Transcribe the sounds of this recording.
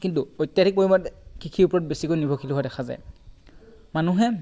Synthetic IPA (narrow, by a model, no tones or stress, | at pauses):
kintuojtːjadʱik̚oɹimatkikʰiupɔɹɔt̚besikojnibʱɔkʰilɦoadɛkʰaza̰j | manuɦɛ